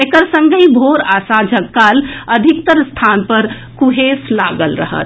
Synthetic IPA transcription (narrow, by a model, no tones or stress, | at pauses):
ekəɾsəŋɡəĩbʱoɾasad͡ʒəɡaləd̪ʱik̚t̪əɾst̪ʰanpəɾ | kuɦeslaɡəlɾə̰ɦə̰t̪